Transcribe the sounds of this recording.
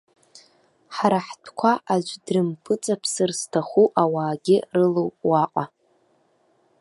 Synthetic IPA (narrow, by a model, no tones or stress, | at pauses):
ħaɾaħtʰkʷʰaʔad͡ʒʷdrɨmpʰɨt͡sʼapʰsɨrstʰaχuʔawaːɡʲɪrɨlowpʼwaqʼa